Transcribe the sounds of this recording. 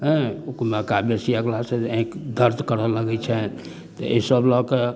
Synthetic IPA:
ɦɛ̃ukmekabjesiaɡlaseẽkd̪ʱəɾd̪kəɾələɡɛt͡ʃʰɛ | t̪ɔ̰ʔesəblɔke

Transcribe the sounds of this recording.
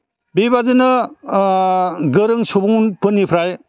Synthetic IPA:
bibazɯnɯ | ɡɯɾɯŋsubuŋnpɯnːipʰɾaj

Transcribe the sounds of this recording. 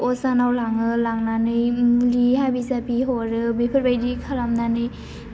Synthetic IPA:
ʔɔsanawlaŋɯlaŋnanɯjmulihabizapiɦɔɾɯbepʰɯɾbajdikʰalamnanɯj

